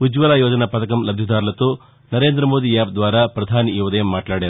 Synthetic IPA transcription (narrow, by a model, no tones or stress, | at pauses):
ud͡ʒʋɐlaːjoːd͡ʒɐnɐpɐt̪ɐkɐmlɐbʱjɐd̪aːɾlɐt̪oː | nɐɾe̞ːnd̪ɾɐmoːd̪ijaːpd̪ʋaːɾɐpɾɐd̪ʱaːniuːʋɐd̪ɐjɐmːaːʈlaːɽeɾ